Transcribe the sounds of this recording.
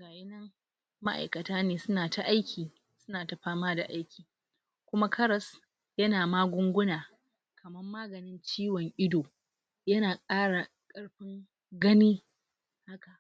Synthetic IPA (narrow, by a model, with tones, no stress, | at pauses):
ɡaː˨je˦nɐ˦ŋ | ma˦ʔa̰˨jkɐ˨taː˦neː˨sʊ˦naː˨ta˨ʔa˦jkʲʰiː˨ | sʊ˦naː˨ta˨ɸaː˦maː˦da̰˨ʔa˦jkʲiː˨ | kʷʊ˦ma˦kʰɐ˦ɾɐ˨s | jɐ˦naː˨maː˦ɡʷʊ˦ŋɡʷʊ˦naː˨ | kʰɐ˨mɐ˦mːaː˦ɡɐ˨nɪ˦nt͡ʃiː˦wɔ˨ŋʔɪ˦doː˨ | jɐ˦naː˨kʼaː˦ɽa˨ | kʼɐ˦ɽɸɪ˦ŋ | ɡɐ˦niː˦ | ha˦ka˨ʔ